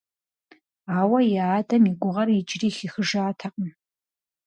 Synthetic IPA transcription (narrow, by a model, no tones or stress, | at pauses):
aːwɐjaːdɐmiɡʷʊʁɐrid͡ʒriːxixəʐaːtʰaqʼəm